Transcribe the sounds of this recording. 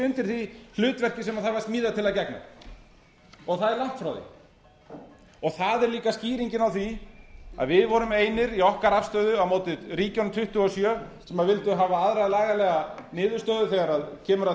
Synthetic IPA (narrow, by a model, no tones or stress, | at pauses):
ʏnt̪ɪɾ̥θihlʏːt̪vɛr̥cɪsɛmaðθaɾvaɾst̪miːðat̪ʰɪlaðcɛkna̰ | ɔɣθaðɛɾlan̥t̪fɾawðɪ̰ | ɔɣθaðɛɾliːkasciːɾiɲcɪnawθia̰ðvɪðvɔɾʏmeːjnɪɾiɔhkaɾafst̪œːɥðʏawmowt̪ɪɾiːcanmt̪ʰʏht̪ʏɔsjœːsɛmaðvɪlt̪ʏɦaːvaaðɾajlaːɣalɛɣanɪːðʏɾ̥st̪œɥðʏθɛɣaɾaðcʰɛːmʏɾa